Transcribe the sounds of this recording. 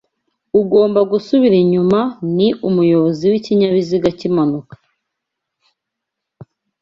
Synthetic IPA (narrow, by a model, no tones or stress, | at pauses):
uɡo̞ːmbaɡusuβiɾiɲumaniʔumujo̞βoziwiciɲaβiziɡacimanukḁ